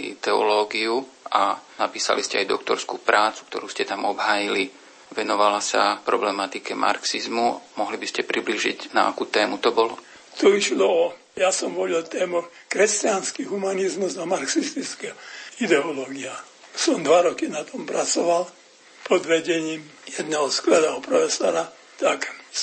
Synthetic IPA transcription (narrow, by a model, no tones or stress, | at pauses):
id̪ɛɔ̰lɔːɡiu | anapiːsa̰liscɛajd̪ɔkt̪ɔɾskuːpɾaːt͡su̥kt̪ɔɾuːscɛt̪amɔbɦaːjili | ʋɛnɔʋalasa̰pɾɔblɛmat̪ikɛmʔa̰ɾksizmumɔɦlibiscɛpɾibliːʒḭɟna̰a̰kuːt̪ɛːmut̪ɔbɔlɔ | t̪ɔiʃlɔɔ | jasɔmʋɔlɛlt̪ɛːmɔx | kɾɛscɪanskiɦumanizmuzd̪ɔmaɾksist̪it͡skɛɔid̪ɛɔlɔːɡia | sɔmd̪ʋaɾɔkinat̪ʰɔmpɾat͡sɔʋal | pɔd̪ʋɛɟɛɲiːm | jɛd̪nɛɦɔsklɛlɛɦɔpɾɔfɛsɔ̰ɾa | t̪ak